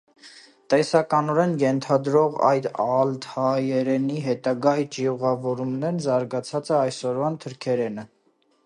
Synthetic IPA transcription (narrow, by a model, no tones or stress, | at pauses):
t̪ɛsɑkɑnɔɾɛnjɛnt̪ʰɑd̪ɾɔʁɑ̰jd̪ɑlt̪ʰɑjɛɾɛniɦɛt̪ɑɡɑjt͡ʃiuʁɑvɔɾumnɛɾnzɑɾɡɑt͡sʰɑt͡sɛɑjsɔɾvɑnt̪ʰəɾkʰɛɾɛnə